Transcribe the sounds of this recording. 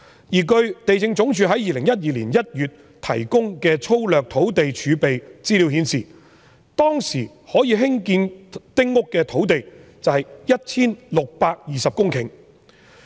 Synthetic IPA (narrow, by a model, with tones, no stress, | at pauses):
jiː˨˩kɵ˧ɥt̪e˨jt͡sɪ˧ŋt͡sʊ˨˥ŋt͡ʃʰyː˨˥ɦɐ˨˥jiː˨lɪ˨˩ŋjɐ˥t̚jiː˨liː˨˩njɐ˥t̚jyː˨t | t̪ʰɐ̰˨˩jkʊ˥ŋkɛː˧t͡sʰo˥wlœː˨k̚t̪ʰo˨˥wt̪e˨jt͡ʃʰyː˨˧pe˨jt͡siː˥liː˨˥whiː˨˧nsiː˨˩ | t̪ɔː˥ŋsiː˨˩ | hɔː˨˥jiː˨˧ɦɪ˥ŋkiː˧nt̪ɪ˥ŋːʊ˥kːɛː˧t̪ʰo˨˥wt̪e˨jt͡sɐ˨whɐ˨jjɐ˥t̚t͡sʰiː˥nlʊ˨k̚paː˧k̚jiː˨sɐ˨p̚kʊ˥ŋkʰɪ̰˨˩ŋ